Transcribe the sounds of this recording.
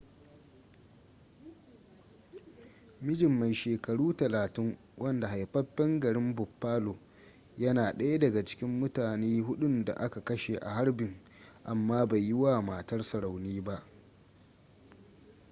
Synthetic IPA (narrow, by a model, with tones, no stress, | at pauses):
mɪ˦d͡ʒɪ˨mːa˨jʃeː˨kɐ˨ɽuː˦tɐ˨laː˨tɪ˦ŋ | wɐ˦nda˨ha˨jɸɐ˦ɸɛ˦ŋɡɐ˨ɽɪ˦mbʊ˨pːaː˦loː˨ | jɐ˦naː˨ɗɐ˦ja˦dɐ˨ɡa˨t͡ʃɪ̥˦kʲɪ˦mːʊ˦taː˨neː˦ɦʊ˦ɗʊ˦nda̰˨ʔa˦ka˨kɐ˦ʃe˨ʔa̰˨ɦa˦rbɪ˨ŋ | ʔa˨mːaː˦ba˨jːɪ˦waː˦˨ma˨tɐ˦rsɐ˨ɽa˨wniː˦ba˦ʔ